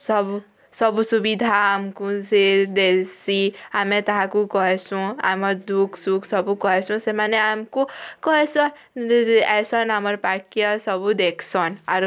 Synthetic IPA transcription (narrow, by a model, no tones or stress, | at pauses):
sʌb | sʌbusubid̪ʱaːmkud͡zed̪esiamet̪ɔɦãkukɔɦesũa̰mʌɾd̪ukʰsukʰsʌbukɔɦesʰũsemaneamkukɔɦesɔn | ɛsɔnɦamʌɾpakjʌsʌbud̪ekʰsʰɔnaɾ